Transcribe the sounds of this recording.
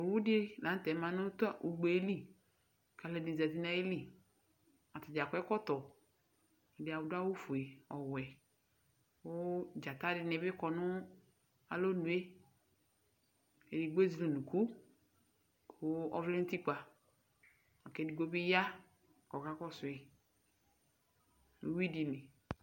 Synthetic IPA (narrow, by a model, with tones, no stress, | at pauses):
ɔ˨wu˦di˦la˨n˦t̪ɛ˨˦ma˨nʊ˦tɔ˦ʔu˨ɡ͡bo˨e˦li˦˨ | ka˨lɛ˨di˨zɛ˨ti˦na˨˦e˦li˦ | a˨tɔ˨d͡ʒa˨kɛ˦kɔ˦t̪ɔ˨ | ɔ˨dɪ˨a˨wʊ˨da˦wu˦fu˨e˨ɔ˨wɛ˨ | wo˦d͡ʒa˨t̪a˦dɪ˨nɛ˨bɪ˦kɔ˨nʊ˦ | a̰˨lo˦nu˨e˦ | e˨di˨ɡ͡bo˦zi˨li˨nu˨kʰu˦ | kʰo˦ɔ̰˦vle˦t̪i˦k͡pa˨ | ɔ˨kɛ˦di˨ɡo˦bi˦ja˦˨ | kɔ˨ka˦kɔ˦sʊ˨ɛ˨ | lṵ˨wi˦di˨ni˨